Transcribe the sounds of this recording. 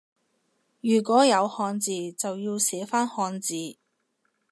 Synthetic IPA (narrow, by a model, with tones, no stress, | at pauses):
jyː˨˩kʷɔː˨˥jɐ˨˧whɔː˧nt͡siː˨t͡sɐ˨wjiː˧wsɛː˨˥faː˥nhɔː˧nt͡siː˨˧